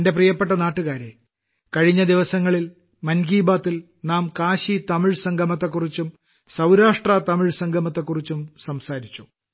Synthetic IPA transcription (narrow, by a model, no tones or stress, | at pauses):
nde̞p̬rijɐpːe̞ʈ̬ːɐnaːʈːuɣaːɾe | kɐɻiɲːɐd̪iʋɐsɐŋːɐɭil | mɐnɡiːbaːt̪ːil | naːmkaːɕit̪ɐmiɻsɐŋɡʱɐmɐt̪̬ːɐkːurit͡ɕːum | sɐwɾaːʂʈrɐt̪ɐmiɻsɐŋɡʱɐmɐt̪ːɐkːurit͡ɕːumsɐmsaːɾit͡ɕːu